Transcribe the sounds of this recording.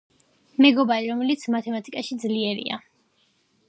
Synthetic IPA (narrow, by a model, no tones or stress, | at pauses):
mɛɡɔbaɾiɾɔmɛlit̪sʰmat̪ʰɛmat̪ʼikʼaʃid̪zliɛɾḭa̰